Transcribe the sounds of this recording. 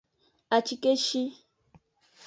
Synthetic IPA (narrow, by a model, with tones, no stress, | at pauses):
a˨t͡ʃi˦ke˦ʃi˦